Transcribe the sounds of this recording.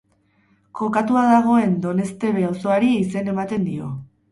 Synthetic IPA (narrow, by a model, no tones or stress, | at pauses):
ko̞kat̪uaðaɣ̞o̞e̞nd̪o̞ne̞st̪e̞β̞e̞awso̞aɾiise̞ne̞mat̪e̞nd̪io̞